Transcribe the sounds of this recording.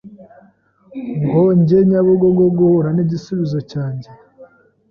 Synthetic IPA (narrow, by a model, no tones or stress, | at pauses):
ŋɡoɲɟe̞ɲaβoɡoɡoɡuohuɾaniɟisuβizo̞caːɲɟe